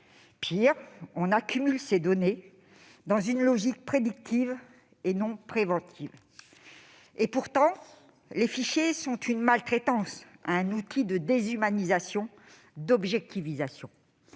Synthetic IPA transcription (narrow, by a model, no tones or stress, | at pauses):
pʰiʁɔ̃nakʲymylsed̪ɔne | d̪ɑ̃zynlɔʒik̚pχed̪ikt̪ʰiv | enɔ̃pχevɑ̃t̪ʰiv | epuʁt̪ɑ̃ | lefiʃjesɔ̃t̪ʰynmalt̪χet̪ɑ̃sa̰ɛ̃nut̪ʰid̪əd̪ezymanizasjɔ̃ | d̪ɔbʒɛk̚t̪ʰivizasjɔ̃